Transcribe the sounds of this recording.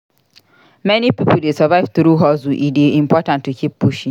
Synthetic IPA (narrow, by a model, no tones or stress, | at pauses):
mɛnipipʊl̩desəvaɪvt̪ɾuɦɔzuʔideim̩pʰɔtãntːukʰip̚pːuʃĩŋ